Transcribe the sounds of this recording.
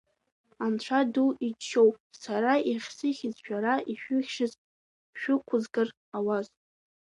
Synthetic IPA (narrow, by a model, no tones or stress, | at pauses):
ant͡ɕʷʰaduit͡ʃːo̞wpʼsaɾaiχʲsɨχʲɪzʃᶣaɾaʔiʃᶣʊχʲʃɨz | ʃᶣʊkʷʰʊzɡɨr | awaz